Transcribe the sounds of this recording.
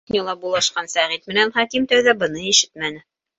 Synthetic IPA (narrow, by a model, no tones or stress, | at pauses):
nʲilˠɑbulˠɑʃqɑnsæʁit̪mɘ̆nænχækimt̪æwðæbɤ̆nɤiʃɘ̥t̪̚mænɘ